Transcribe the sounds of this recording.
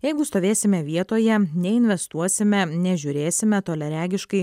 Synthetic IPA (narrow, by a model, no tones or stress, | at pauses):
jɛɪɡʊst̪oːʋʲeːsʲɪmʲɛʋʲiɛt̪oːjɛnʲɛɪnʲʋʲɛst̪uɔsʲɪmʲɛnʲɛʒʲʊɾʲeːsʲɪmʲɛt̪oːlʲɛɾʲæːɡʲɪʃkɐɪ